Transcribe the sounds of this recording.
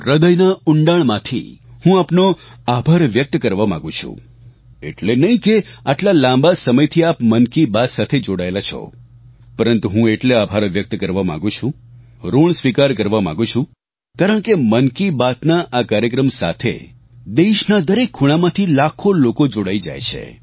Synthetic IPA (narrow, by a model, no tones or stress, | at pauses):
ɾəd̪əjnaʊɳɖaɭmãt̪ʰḭhũapnoabʱaɾʋjək̚t̪kəɾʋamãɡũt͡ʃʰṵ̃ | ḛʈlenəɦĩkeaʈlalãmbasəməjt̪ʰiapmənkibat̪sat̪ʰed͡ʒoɽaelat͡ʃʰɔ̰ | pəɾənt̪uɦũeʈleabʱaɾʋjək̚t̪kəɾʋamã̰ɡũt͡ʃʰũ | ɾoɳ̃sʋikaɾkəɾʋamã̰ɡũt͡ʃʰũ | kaɾəɳ̃kemənkibat̪naʔakaɾjək̬ɾəmsa̰t̪ʰḛ | d̪eʃnad̪əɾekʰːuɽ̃amãt̪ʰilakʰolokod͡ʒoɽaid͡ʒa̰jt͡ʃʰḛ